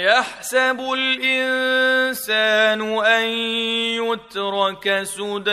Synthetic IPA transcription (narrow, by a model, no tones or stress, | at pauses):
jaħsabʊlʔɪnsaːnʊʔanjʊt̪ɾˤɑkasʊːd̪